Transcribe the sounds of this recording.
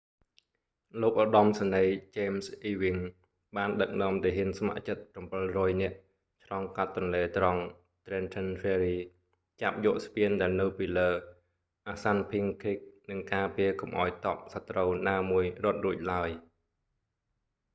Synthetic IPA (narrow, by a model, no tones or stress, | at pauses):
loːk̚ʔɑɗɑmsanəjt͡ɕeːmsʔiːʋiŋ | ɓaːnɗək̚nɔ̆əmt̪eːɦiənsma̰ʔt͡ɕət̪̚prɑmpɨlrɔːjnɛ̆əʔ | t͡ɕʰlɑŋkat̪ːɑnleːt̪rɑŋ | t̪rɛːnt̪ʰənfeːɾiː | t͡ɕap̚jɔəʔspiənɗaɛlnɨwpiːləː | ʔaːsanpʰiəŋkʰik̚nɨŋkaːpiəkɑmʔaɔjt̪ɑp̚sat̪rəwnaːmuəjrŏət̪̚ruəc̚laəj